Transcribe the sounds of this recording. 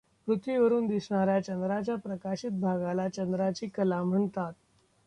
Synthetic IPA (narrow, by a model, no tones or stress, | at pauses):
pɾut̪ʋiʋəɾuːnd̪isɳ̃aɾjat͡ɕənd̪ɾat͡ɕjapɾəkaɕit̪̚bʱaɡalat͡ɕənd̪ɾat͡ɕiːkəlam̤əɳt̪at̪̚